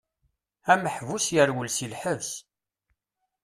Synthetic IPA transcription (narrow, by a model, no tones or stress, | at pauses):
æməħvusjəɾwəlsilħəvs